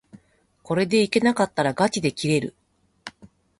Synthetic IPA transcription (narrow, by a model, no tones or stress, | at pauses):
ko̞ɾe̞d̪e̞ike̞nakat̪ːaɾaɡat͡ɕid̪e̞kʲiɾe̞ɾɯ̟̰